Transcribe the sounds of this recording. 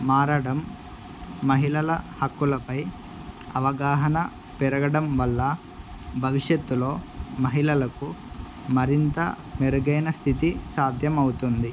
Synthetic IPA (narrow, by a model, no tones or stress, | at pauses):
maːɾɐɽɐmː | ɐɦilɐlɐhɐkːulɐpɐj | ɐʋɐɡaːɦɐnɐ | pɛɾɐɡɐɽɐmʋɐlːɐ | bʱɐʋiʂjɐt̪ːulo̞ːmɐɦilɐlɐku | mɐɾint̪ɐ̰ | meɾuɡɐjnɐst̪ʰit̪isaːd̪ʱjɐmɐwut̪und̪i